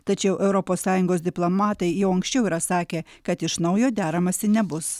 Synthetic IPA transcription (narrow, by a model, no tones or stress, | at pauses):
t̪ɐt͡ʃʲɛʊʔɛʊɾɔpoːsːɑːjʊŋɡoːsd̪ʲɪplˠomɑːt̪ɐɪjɛʊɐŋksʲt͡ʃʲɛʊiːɾɐsɑːkʲeː | kɐt̪ɪʃnɐʊjoːd̪ʲæːɾɐmɐsʲɪnʲɛbʊs